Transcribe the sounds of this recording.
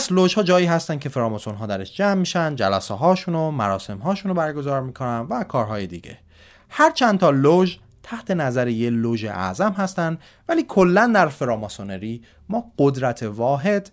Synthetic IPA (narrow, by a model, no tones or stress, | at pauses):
æsloʒhɒːd͡ʒɒːjiːɦæst̪æn̚cʰe̞feɾɒːmɒsonɦɒːd̪æɾeʃd͡ʒæmːiːʃænd̪d͡ʒælæseɦɒːʃuːnomæɾɒːse̞mɦɒːʃuːnobæɾɡo̞zɒːɾmiːkʰo̞nænvækʰɒːɾɦɒːje̞d̪ḭɟe̞̰ | hæɾt͡ʃʰænt̪ʰɒːloʒ | t̪ʰæht̪ʰe̞næzæɾejeloːʒḛʔæ̰zæmɦæst̪ænd̪ | væliːkʰo̞lːænd̪æɾfeɾɒːmɒsoneɾiː | mɒːɢod̪ɾæt̪ʰevɒːɦe̞d̪̥